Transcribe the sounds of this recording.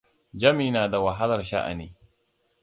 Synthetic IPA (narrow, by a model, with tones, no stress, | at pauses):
d͡ʒɐ˦miː˨naː˨da˨wa˨ɦa˦lɐ˨ɾʃa̰˦ʔa̰˨niː˨